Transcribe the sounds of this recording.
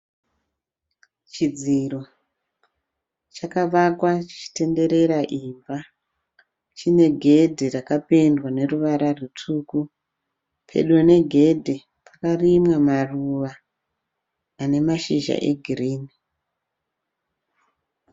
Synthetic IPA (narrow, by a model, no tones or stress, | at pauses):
t͡ʃid͡ziro̞ | t͡ʃakaʋakwat͡ʃi̥t͡ʃi̥te̞nde̞ɾe̞ɾaʔiɱba | t͡ʃine̞ɡʱe̞dʱirakapendwane̞ruʋaɾarutʰuku | pʰe̞̰ɗo̞ne̞ɡʱe̞dʱi | pʰakarimwamaruʋa | ne̞maʃiʒa̰ʔeɡʱiriːni